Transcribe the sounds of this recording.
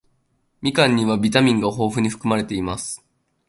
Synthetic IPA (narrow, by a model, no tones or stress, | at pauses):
mʲikãɲ̟ːiβabʲit̪amʲĩŋɡaɦo̞ːɸɯ̟ɲ̟iɸɯ̟̥kɯ̟maɾe̞t̪e̞imasɨ̥